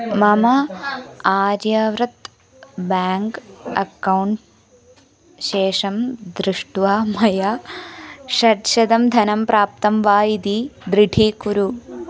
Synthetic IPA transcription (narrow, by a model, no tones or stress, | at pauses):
mɐmɐ | aːɾjɐʋɾɐt̪ | baːŋkɐ̰kɐwɳʈ | ʃeːʂɐmd̪ɾɪʂʈʋaːmɐja | ʃɐɾʃɐd̪ɐmd̪ʱɐnɐmpɾʔaːp̚t̪ɐmʋaːjid̪id̪ɾiʈʰiːkuɾu